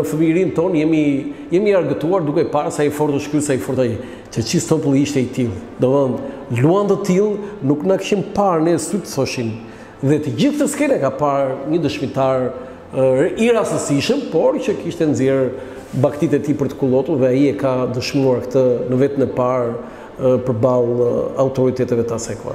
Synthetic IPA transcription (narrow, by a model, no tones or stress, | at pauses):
əfəmiɾint̪ɔnjɛmijɛmiaɾɡət̪uaɾd̪ukɛpaɾsaifɔɾt̪əʃkysaifɔɾt̪aɛ | t͡ʃət͡ʃisɔpəlˠiʃt̪ɛit̪ilˠd̪ɔðənluand̪at̪ilˠnuknakə̥ʃimpaɾnɛsut̪əθɔʃin | ðɛt̪əd͡ʑiθkt̪əskɛnɛkapaɾɲəd̪əʃmit̪aɾ | iɾasəsiʃəmpɔɾt͡ʃəkiʃt̪ɛnzjɛɾ | bakt̪it̪ɛt̪ipəɾt̪ə̥kulˠɔt̪uɾðɛajiɛkad̪əʃmuaɾkt̪ənəvɛt̪ənɛpaɾ | pəɾbalˠawt̪ɔɾit̪ɛt̪ɛvɛt̪asɛkua̰